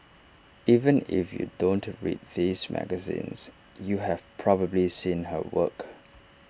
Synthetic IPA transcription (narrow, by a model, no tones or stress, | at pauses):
ʔivə̃nɪ̰fjṵdõntɹḭd̚ðizmæ̰ɡəzḭ̃ns | juɦɛv̥pʰɹɔbəblisĩnhəwə̰k